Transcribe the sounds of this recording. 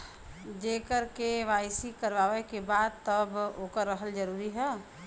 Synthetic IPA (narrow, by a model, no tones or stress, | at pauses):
d͡ʒekəɾkeʋaɪsikəɾʋaʋekebad̪̚t̪əboːkəɾːəɦəld͡ʒəɾuːɾiɦɛ